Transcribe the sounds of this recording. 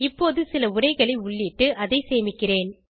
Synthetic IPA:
ɪpːoːðɯsɪlɐʊrɐɪɣɐɭɐɪʊɭːiːʈːɯʔɐðɐɪseːmɪkːɪreːn

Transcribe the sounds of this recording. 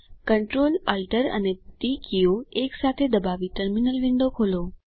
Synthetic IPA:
kəɳʈɾoːlalʈəɾə̰neʈikioeksat̪ʰed̪əbaʋiʈəɾminəlʋɪ̃ɳɖokʰoːlo

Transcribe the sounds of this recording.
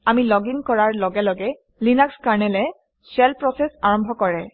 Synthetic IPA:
amilɔɡiŋkɔɹaɹlɔɡɛlɔɡɛ | linakskaɹnɛlɛ | sɛlpɹɔsɛsaɹɔmbʱɔkɔɹɛ

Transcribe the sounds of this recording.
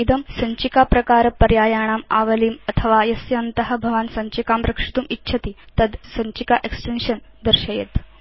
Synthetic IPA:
id̪əmsəɲt͡ɕikapɾɐkaɾpəɾjajaɽ̃ama̰ʋəliːmət̪ʰəʋajɐsjɐːnt̪əɦə̆bʱəʋaːnsɐɲt͡ɕikamɾəkʂi̥t̪uːmitːɕʰət̪it̪əd̪səɲt͡ɕikaʔeksʈenɕən | d̪əɾɕəjḛt̪

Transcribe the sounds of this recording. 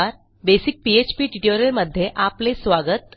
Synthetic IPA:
aɾ | besik̚piet͡ɕpiːʈiʈeɾeɾməd̪ʱːjeʔaplesʋaɡət̪

